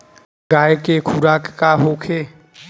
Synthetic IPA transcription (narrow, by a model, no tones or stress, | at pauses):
ɡaːjkekʰuɾaːkːaɦoːkʰeː